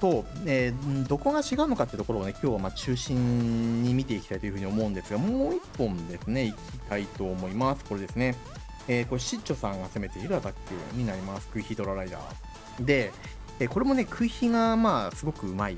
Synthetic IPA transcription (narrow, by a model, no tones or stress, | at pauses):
so̞ːeːd̪o̞ko̞ɡat͡ɕiɡaɯ̟no̞kat̪ːeɯ̟t̪o̞ko̞ɾoːnekʲo̞ːβamat͡ɕɨːɕĩɲɲːimʲit̪e̞ikʲi̥t̪ait̪oiɯ̟ɯ̟ɲ̟io̞mo̞ɯ̟̃nd̪e̞sɨɡamoːipːõ̞nd̪e̞sɨne̞ikʲit̪ait̪o̞ːmo̞imasɨ̥ko̞ɾe̞d̪e̞sɨne̞ | eːko̞ɕit͡ɕo̞sãŋɡase̞me̞t̪e̞iɾɯad̪akʲːɯ̰ɲ̟inaɾʲimasɨ̥kɯ̟içid̪o̞ɾaɾaid̪a̰ː | d̪e̞ | eːko̞ɾe̞mo̞ne̞kʰɯ̟içiɡamaːsɨɡo̞kɯ̟ɯ̟mai